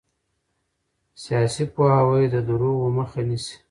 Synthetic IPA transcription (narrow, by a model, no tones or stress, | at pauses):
sijɑsipoawajd̪əd̪uɾowəməxanisi̥